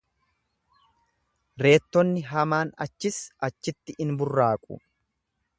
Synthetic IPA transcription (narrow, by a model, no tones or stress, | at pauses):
ɾe̞ːt̪ːɔnːɪɦɐmaːnɐ̰t͡ʃːɪsɐt͡ʃːɪt̪ːɪʔɪnbʊrːaːkʼʊ̰